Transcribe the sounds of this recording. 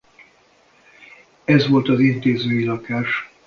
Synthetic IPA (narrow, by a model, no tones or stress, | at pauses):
ɛzʋo̞lt̪ɒzint̪eːzøːjilɒkaːʃ